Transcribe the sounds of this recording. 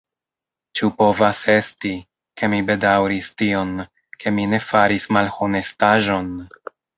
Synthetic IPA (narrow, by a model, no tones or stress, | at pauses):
t͡ʃupo̞vase̞sti | ke̞mibe̞dawɾistio̞n | kʰe̞mine̞faɾismalho̞ne̞staʒo̞n